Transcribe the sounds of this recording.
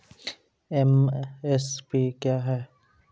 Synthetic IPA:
ɛmɛspiːkjaːɦɛː

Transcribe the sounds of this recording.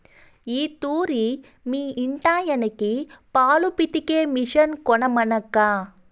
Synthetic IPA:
iːt̪uːɾi | miːiɳʈaːjɐnɐkipaːlupit̪ikeːmiʂɐnkɔɳɐmɐnɐkːaː

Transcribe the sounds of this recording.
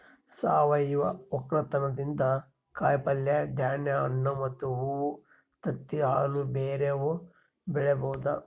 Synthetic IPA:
saːʋɐjʋɐɔkɾɐt̪ɐnɐd̪ind̪ɐ | kaːjpɐljɐd̪ʱjaːɳjɐɐnːɐmɐt̪ːuɦuu | t̪ɐt̪ːiɦaːlubeːɾeʋu | bɛɭebɐwud̪ɐ

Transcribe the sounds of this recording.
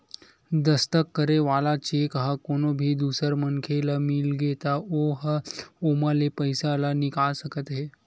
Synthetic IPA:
d̪əst̪əkːəɾeʋalat͡ɕekɦakonobʱiːd̪usəɾmənkʰelamilɡet̪aoɦəomalepəjsalanikaɭsəkət̪ɦe

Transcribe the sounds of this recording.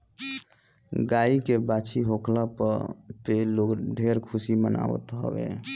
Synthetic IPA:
ɡaikebat͡ʃʰiɦokʰlapə̰ɾpelokɖʱeɾkʰusiməna̰wə̰t̪ɦə̰bḛ

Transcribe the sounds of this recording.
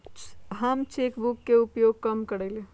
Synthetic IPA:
ɦɐmt͡ʃeːkbʊkːeʊɡjoːɡ̚kɐmkəɽeːle

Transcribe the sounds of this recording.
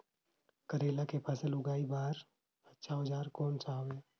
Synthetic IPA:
kəɾeːlakepʰɐsəlʊɡaːibaːɾ | ətːʃʰaɦəd͡ʒaːɾkɔːnsaːʋeː

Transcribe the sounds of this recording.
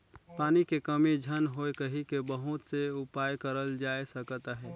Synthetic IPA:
paːnikekəmid͡ʒʱənɦoekəɦikebəɦʊt̪seʊpaːjkəɾəld͡ʒaːesəkt̪aɦɛː

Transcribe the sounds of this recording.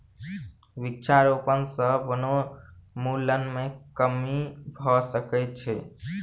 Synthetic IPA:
ʋitːt͡ʃʰaɾopənsəbonomulənmekəmibʱɔsəkɛt͡ʃʰɛ

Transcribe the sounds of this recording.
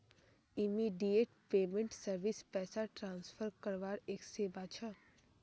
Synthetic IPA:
ɪmiːɖijeːʈpeːmẽɳʈsəɾʋɪspɛːsaʈɾãːnsfʰəɾkəɾʋaːɾeːkseːbaːt͡ʃʰa

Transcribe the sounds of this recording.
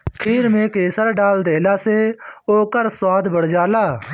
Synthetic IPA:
kʰiːɾmẽːkeːsəɾɖaːld̪eːlaːseːoːkəɾswaːd̪bəɽd͡ʒaːlaː

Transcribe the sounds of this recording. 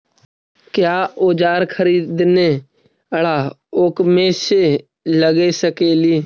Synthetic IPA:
kjaːoːd͡ʒaːɾkʰəɾiːd̪ne | əɽaː | oːkmẽːse | ləɡesəkeːliː

